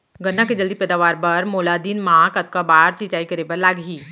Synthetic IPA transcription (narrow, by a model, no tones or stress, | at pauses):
ɡənːãkʰed͡ʒəld̪ipɛːd̪aːʋaːɾbɐɾmoːlad̪iːnmãkɐt̪̚kabaːɾsit͡ʃaːikəɾebəɾlaːɡiː